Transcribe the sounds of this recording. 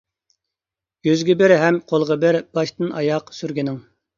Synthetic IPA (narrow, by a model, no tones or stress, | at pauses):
ɡ̥ʲøzɡʲɪbɪɾɦɛmqʰolˠʁɑbɪɾbɑʃt̪ɨnʔɑjɑqsyɾɡʲinɪŋ